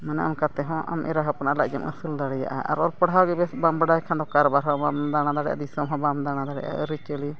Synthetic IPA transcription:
manɛamkat̪ɛɦɔ̃ʔa̰mʔɛ̰ɾaɦɔpnaʔlaʔd͡ʒamʔə̰suld̪aɽɛja̰ʔa̰ʔa̰ɾɔlpəɽawɡɛbɛbambəɖajkʰand̪ɔkaɾbaɾɦɔbamd̪añad̪aɽɛjʔa̰d̪isɔmɦɔ̃bamd̪aɽ̃ad̪aɽɛ̰jʔa̰ʔəɾit͡ʃəli

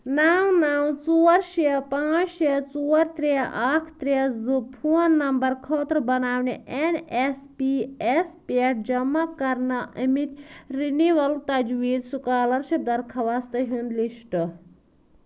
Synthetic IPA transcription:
naːwnaːwt͡suːɐɾʃiɐpãːt͡ʃʃɐt͡suːɐɾt̪ɾiɐʔakʰt̪ɾiɐzɨpʰuɐnːɐmbɐɾkʰoːt̪ɾbɐnaːʋniʔenespiespeɐʈ̚d͡ʒɐmːɐkɐɾnɐʔɐmit̪ɾiniʋɐlt̪ɐd͡ʒʋiːd̪sukaːlɐɾʃɐb̚d̪ɐɾkʰɐʋast̪ɐɦund̪liʃʈɨ

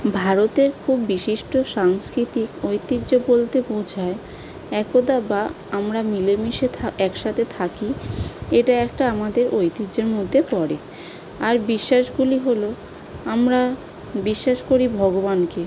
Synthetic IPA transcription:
bʱaɾot̪eɾkʰubːiʃiʃʈoʃaŋskɾit̪ikojt̪iʑobolt̪epowd͡ʑʱae | ɛkod̪aba | amɾamilemiʃeɛkʃat̪ʰet̪ʰakieʈaɛkʈaamad̪eɾojt̪id͡ʑeɾmod̪ʱːepɔɾe | aɾbiʃːaʃɡuliɦolo | amɾa | biʃːaʃkoɾibʱɔɡoβanke

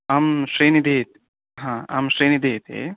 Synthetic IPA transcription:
amsɾenid̪et̪̚ | ɦãa̰msɾeːnid̪eːt̪ḛ

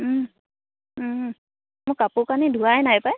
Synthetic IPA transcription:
mʊkːapʊkanidʱuajnajpaj

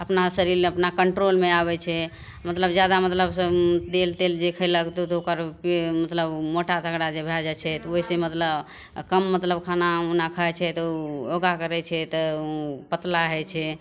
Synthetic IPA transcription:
əpnasəɾiɾmeəpnakəɳʈɾolmeaβɛt͡ʃʰɛ | mət̪ləbd͡ʒjad̪amət̪ləbsə̃d̪elt̪eld͡ʒekʰəɪləkt̪ot̪okəɾpmət̪ləbmoʈat̪əɡɽad͡ʒebʱɛd͡ʒɛt͡ʃʰɛt̪ɔoɦisẽmət̪ləb | kəmːət̪ləbkʰanaunakʰaɛt͡ʃʰɛt̪ɔoɡakəɾɛt͡ʃʰɛt̪ɔpət̪laɦɛt͡ʃʰɛ

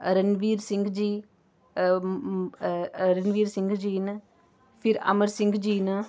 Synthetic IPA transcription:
ɾenʋiːɾsiŋɡd͡ʒi | ɾenʋiːɾsiŋɡɨd͡ʒinɐ | fiɾɐ̰mɐɾsɪŋɡd͡ʒinɐ

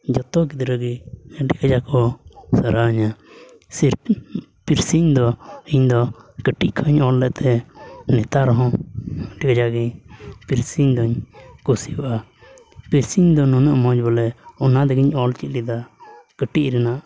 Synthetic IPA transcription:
d͡ʒɔt̪ɔɡid̪ɾəɡiɖikad͡ʒakɔsəɾaɲa | siɾpiɾsiɲd̪ɔiɲd̪ɔkəʈiʔkʰɔɲɔlːɛʔt̪ʰɛnɛt̪aɾɔɦɔ̃ɖikad͡ʒaɡiɲpiɾsiɲd̪ɔɲkusibʔa | piɾsiɲd̪ɔnɔnəʔmɔd͡ʒbɔlɛɔnad̪ɛɡiɲɔlt͡ʃit̪̚lid̪akəʈiʔɾɛnaʔ

